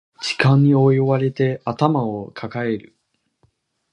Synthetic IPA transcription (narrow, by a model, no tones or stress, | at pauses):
d͡ʑi̥kãɲ̟ːio̞jβaɾe̞t̪e̞at̪amaokʰakae̞ɾɯ̟̰